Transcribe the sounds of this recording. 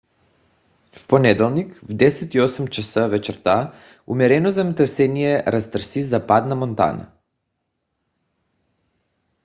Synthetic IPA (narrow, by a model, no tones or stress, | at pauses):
fponɛd̪ɛlˠnikvd̪ɛsɛt̪iɔsɛmt͡ʃasəvɛt͡ʃɛɾt̪a | ṵmɛɾɛnozɐmət̪ɾsɛnijɛɾast̪ɾ̩sizapat̪namont̪a̰na̰